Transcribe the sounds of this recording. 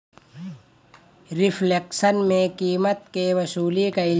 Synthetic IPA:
ɾɪfleksənmẽkiːmət̪keʋɐsuːlikaɪ

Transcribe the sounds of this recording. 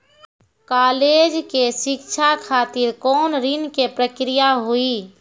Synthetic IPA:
kaːleːd͡ʒkeʃɪkt͡ʃʰakʰaːt̪ɪɾkɔːnɾinkepɾəkɾijaɦui

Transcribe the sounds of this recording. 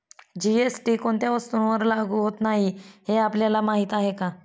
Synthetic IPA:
d͡ʑiesʈiːkoɳt̪jaʋəst̪unʋəɾlaɡuɦot̪naɦiheapljalamaɦit̪aɦeka

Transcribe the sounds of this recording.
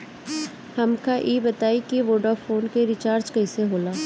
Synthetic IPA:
hɐmkaʔiːbɐt̪aːikiʋoːɖaːfʰoːnkeɾɪt͡ʃaːɾd͡ʒkɐɪseɦoːlaː

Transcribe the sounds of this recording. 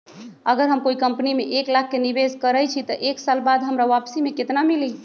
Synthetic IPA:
əɡəɾɦəmkoikəmpnimeʔeklak̚ʰːenibeskəɾɛjt͡ʃʰit̪əʔeksalbad̪ɦəmɾaʋapsimeket̪namili

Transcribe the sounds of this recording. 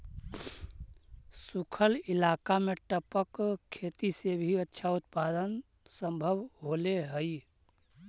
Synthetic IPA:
sukʰəlilakameʈəpəkkʰːet̪isebʱiətːʃʰaut̪̚pad̪ən | səmbʱəbɦoleɦəj

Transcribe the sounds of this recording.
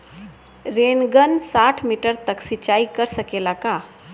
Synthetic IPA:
ɾenɡənsaʈʰmiʈəɾt̪əksit͡ɕaikəɾsəkelaka

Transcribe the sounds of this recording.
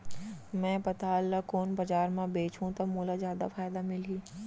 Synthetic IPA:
mɛ̃ːpɐt̪aəlːakoːnbɐd͡ʒaːɾmãbeːt͡ʃũt̪ɐmoːlazjaːd̪a̰faːjd̪amɪliː

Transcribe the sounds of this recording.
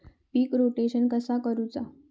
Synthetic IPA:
piːkɾoʈeɕənkəsakəɾut͡sa

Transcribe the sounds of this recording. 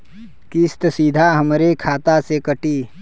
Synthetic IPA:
kɪst̪sid̪ʱaɦɐmɾekʰaːt̪asekəʈiː

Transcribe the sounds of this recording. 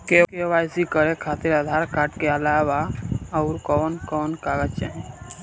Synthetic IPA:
kekeʋajsikəɾekʰaːt̪iɾəd̪ʱaːɾkaːʈkeəlaːʋaɐwɾkɔːnkɔːnkaɡət͡ʃa̰n

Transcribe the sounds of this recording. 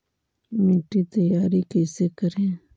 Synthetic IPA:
miːʈit̪ɐjaːɾikɛːsekəɾẽː

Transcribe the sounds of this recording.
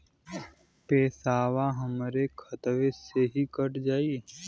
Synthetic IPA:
peːsaːwaɦəmɾekʰət̪ʋeseɦikəɾd͡ʒaːi

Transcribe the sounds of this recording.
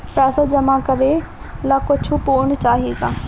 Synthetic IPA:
pɛːsad͡ʒɐmakəɾe | lakʊt͡ʃʰupoːɳt͡ʃaːɦieɡaː

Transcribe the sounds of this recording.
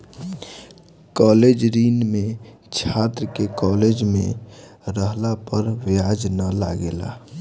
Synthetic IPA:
kɔːled͡ʒɾiːnmẽ | t͡ʃʰat̪ɾəkekɔled͡ʒmḛ̃ɾəɦlapəɾʋjad͡ʒnala̰ɡela̰

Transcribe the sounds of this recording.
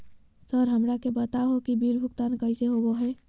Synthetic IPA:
səɾɦəmɾakebət̪aɦokibiɾbʱʊkt̪ankəɪseɦoboɦɛː

